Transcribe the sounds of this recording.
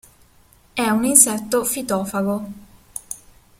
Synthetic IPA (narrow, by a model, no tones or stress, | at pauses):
ɛuninsɛt̪ːofit̪ɔːfaɡo